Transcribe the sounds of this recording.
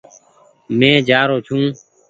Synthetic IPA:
mẽːd͡ʒaːɾoːt͡ʃʰũː

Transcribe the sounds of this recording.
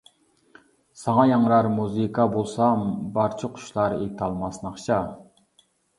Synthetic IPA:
sɑŋɑjɑŋɾɑɾmuzɨkʰɑbolˠsɑmbɑɾt͡ʃʰɪqʰʊ̥ʃlˠɑɾet̪ʰɑlˠmɑsnɑχt͡ʃʰɑ

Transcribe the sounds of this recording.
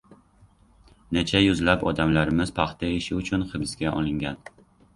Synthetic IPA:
net͡ʃʰajʊzlapɒd̪amlaɾɪmɪz̥pʰɑχt̪ʰaɪʃɪʊt͡ʃʰʊnχɨbsɡʲaʔɒlˠɪŋɡʲan

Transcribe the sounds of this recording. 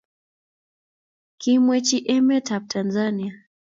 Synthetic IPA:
kimwɛt͡ʃiʔɛmɛtap̚tʰanzania

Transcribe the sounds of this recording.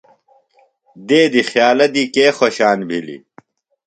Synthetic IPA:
d̪eːd̪ixjaːlɐd̪ikeːxoɕaːnbʱilḭ

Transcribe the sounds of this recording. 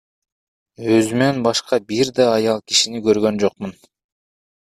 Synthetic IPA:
øzymenbɑʃqɑbiɾd̪ɑːjɑlˠki̥ʃinikøɾɡø̞nd͡ʒoq̚mun

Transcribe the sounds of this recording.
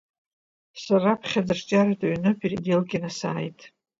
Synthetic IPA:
sarapʰχʲad͡zɨrt͡ʃʼaɾatʼaɥnɨpʰiridelɡʲɪnasa̰ːjtʼ

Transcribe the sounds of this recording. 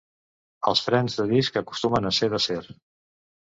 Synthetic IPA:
əlˠsfɾɛnzðəðiskəku̥st̪umənəseðəseɾ

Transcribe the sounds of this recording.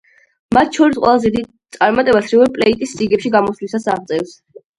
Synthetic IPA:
mat̪ʰʃʰɔɾisqʼwɛ̰lˠazɛd̪id̪̚ | t̪sʼaɾmat̪ʼɛbasɾivɛɾpʼlɛit̪ʼist̪sʼiɡɛpʃiɡamɔslisasaʁt̪sʼɛfs

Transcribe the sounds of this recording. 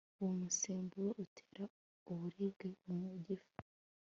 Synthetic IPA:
uwomuseːmbuɾoʔutʰe̥ːɾa | uβuɾibɡemumuɟifu̥

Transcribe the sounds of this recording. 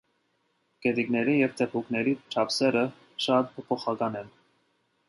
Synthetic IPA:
kɛd̪iknɛɾijɛvt̪ʰɛpʰuknɛɾit͡ʃʰɑpsɛɾə | ʃɑt̪pʰɔpʰɔχɑkɑnɛn

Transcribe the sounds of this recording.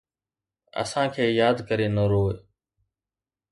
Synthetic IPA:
ə̰sãːkʰeːjaːd̪kəɾeːnəɾoːe

